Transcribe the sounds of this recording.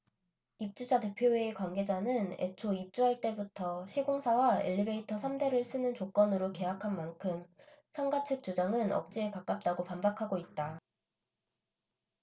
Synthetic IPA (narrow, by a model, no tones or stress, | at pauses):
ip̚t͡ɕ͈ud͡ʑate̞pʰjoeːkwanɡe̞d͡ʑanɯne̞̰t͡ɕʰoip̚t͡ɕ͈uɦaɭt͈e̞butʰʌɕʰiɡoŋsʰawaḛʎːibe̞itʰʌsʰamde̞ɾɯɭs͈ɯnɯnt͡ɕok͈ʌnɯɾoke̞ɦakʰanmankʰɯmsʰʌŋɡat͡ɕʰɯk̚t͡ɕ͈od͡ʑaŋɯnʌ̰k̚t͡ɕ͈iekak͈ap̚t͈aɡopambakʰaɡoit̚t͈a